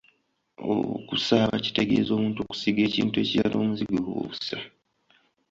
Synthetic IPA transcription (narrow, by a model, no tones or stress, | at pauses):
o̰kusaβa̰ci̥teɡe̞̰ːzo̞ːmuːntoːku̥siɡe̞ːcḭːntwe̞ːcijalo̞ːmuziɡoɡo̰βusa